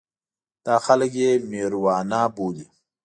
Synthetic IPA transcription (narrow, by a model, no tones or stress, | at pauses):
d̪̥aːxalək̬jemeːɾwɑːnaːbuːd̪i